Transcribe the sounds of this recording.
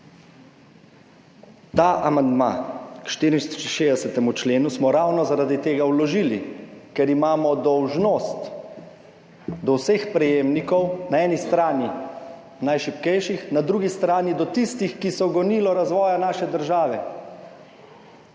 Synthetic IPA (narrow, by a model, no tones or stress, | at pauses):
t̪aːʔamand̪ma̰kʃt̪iːɾiniʃeːzd̪ɛsɛt̪ɛmut͡ʃleːnusmɔɾawnɔzaɾaːd̪it̪eːɡawlɔʒiːlḭkɛɾimaːmɔd̪ɔwʒnoːst̪ | d̪ɔwsɛxpɾɛjeːmnikɔwnaɛːnist̪ɾaːni | najʃipkɛjʃixnad̪ɾuːɡist̪ɾaːnid̪ɔt̪ist̪ixkisɔɡɔniːlɔɾazʋɔːjanaːʃɛd̪əɾʒaːʋɛ